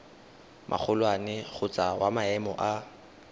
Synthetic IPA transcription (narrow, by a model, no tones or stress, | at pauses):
mʔa̰k͡xʰʊlwanɪɣʊt͡sʼawamaɛmɔ̰ʔa